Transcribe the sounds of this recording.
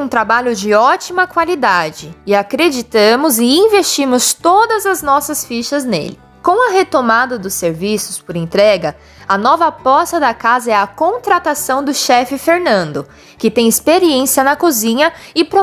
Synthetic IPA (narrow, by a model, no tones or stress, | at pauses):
ũt̪ɾabaʎʊd͡ʒɪɔt͡ʃimɐkwalid̪ad͡ʒɪɪakɾed͡ʒit̪ɐ̃mʊzɪĩvest͡ʃimʊst̪od̪ɐzɐznɔsɐsfiʃɐznḛlɪ | kõw̃ɐɦet̪omad̪ɐd̪ʊsːeɾvisʊspʊɾẽnt̪ɾɛɡɐ | ɐnɔvɐpɔsɐd̪ɐkazɐɛɐkõt̪ɾat̪asɐ̃w̃d̪ʊʃɛfɪfeɾnɐ̃nd̪ʊ | kɪt̪ẽj̃ɪspeɾiẽsiɐnɐkuzĩɲɐɪpɾo